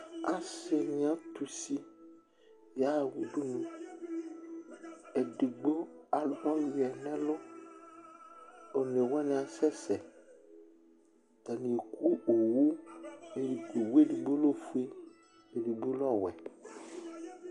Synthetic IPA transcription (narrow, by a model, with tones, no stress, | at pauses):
a˨se˨ɲ˦ã˦t̪u˨si˦ | ja˦˨wu˨ɖu˦nũ˨ | e˨ɖi˨ɡ͡bo˦a˨lɔ˦jɛ˨nɛ̃˦lʊ˦ | o˨ne˨wɛ˦nɛ̃˨a˨sɛ˦sɛ˨ | t̪a˨nĩ˨e˨kʰu˦o˨wu˦e˨ɖi˨ko˨we˦ɖi˨ɡ͡bo˦lo˦fu˦e˦ | e˨ɖi˨ɡ͡bo˦lɔ˦wɛ̰˨